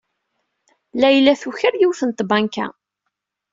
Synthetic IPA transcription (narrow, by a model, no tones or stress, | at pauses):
læjlæθuçəɾjiwθənt̪bankæ̰